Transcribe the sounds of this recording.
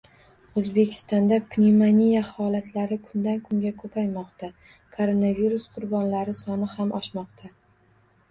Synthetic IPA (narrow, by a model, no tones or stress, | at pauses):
ɵzbe̞kʲʰɪ̥st̪ɒnd̪apnʲimanʲijahɒlat̪laɾɪkʰʊnd̪ankʰʊŋɡʲakʰɵpʰajmɒqt̪ʰa | kʰoɾonaviɾusqʰʊɾbɒnlaɾɪsɒnɪhamʔɒʃmɒqt̪ʰa